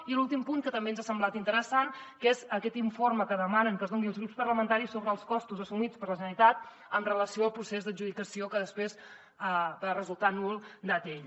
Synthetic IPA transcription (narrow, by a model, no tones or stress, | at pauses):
ilulˠt̪impuŋkət̪əmbenzasəmblat̪int̪əɾəsankezəkɛt̪iɱforməkəðəmanəŋkəzðoŋɡiəlˠzɣɾupspərləmənt̪aɾisːoβɾəːlˠskɔst̪uzəsumit͡spərləʒənəlit̪at̪̚ | əmrələsioəlˠpɾusezðəʒuðikəsiokəðəspɾez | əbarəzulˠt̪anulˠd̪at̪eʎ